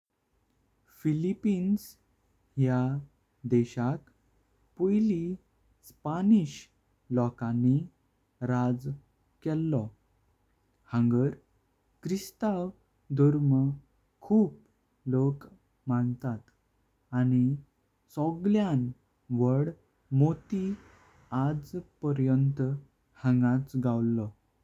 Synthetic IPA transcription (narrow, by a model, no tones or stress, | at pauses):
filipins | ɦja | d̪ɛɕak | pojli | spaniɕ | lɔkãni | ɾad͡z | kɛlːɔ | hə̃ŋɡəɾ | kɾist̪aw | d̪ʱuɾmə | kʰuːp | lok | mant̪at̪ | ani | sɔɡljan | ʋəɽ | mot̪i | ad͡zpəɾjənt̪ | hə̃ŋɡãt͡sɡawlːɔ